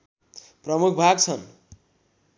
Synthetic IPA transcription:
prʌmukʰbʱaɡt͡sʰʌn

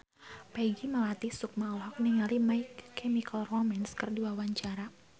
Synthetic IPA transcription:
pɛɡimalat̪isʊk̚malɦɔk̚niŋalimaikːɛmikalrɔmɛnskərduawaɲt͡ʃaɾa

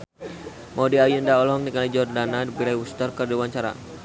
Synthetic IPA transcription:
mɔdiajndaɔlɔŋnikalid͡ʒɔrdanadbiɾajust̪ərkərdiwaɲt͡ʃaɾa̰

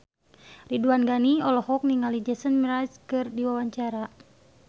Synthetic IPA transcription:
riduanɡaniɔlɔhɔk̚niŋalid͡ʒɛsənmiɾajskɨrdiwawaɲt͡ʃaɾa

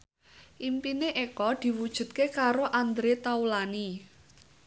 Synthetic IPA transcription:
ʔimpineʔekɔd̪̥i̤wud̥ʒ̥ṳt̪̚kekaɾoʔand̪ɾet̪aulani

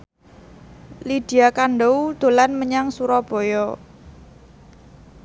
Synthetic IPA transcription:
lid̥i̤akanɖowd̪̥o̤lanməɲaŋsuɾɔb̥ɔ̤jɔ

